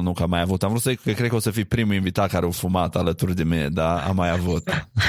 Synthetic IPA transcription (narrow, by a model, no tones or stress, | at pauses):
nũŋkəamajavut̪amvɾut̪səikkəkɾed̪kəosəfipɾimuinvit̪at̪̚kaɾeofumat̪alət̪urd̪emed̪aa̰majavut̪